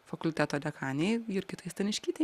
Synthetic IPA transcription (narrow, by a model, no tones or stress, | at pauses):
fɐkʊlʲt̪ʲæːt̪oːd̪ʲɛkʰɑːnʲɛɪɪɾkʲɪt̪ɐɪst̪ʲɛnɪʃʲkʲiːt̪ʲɛ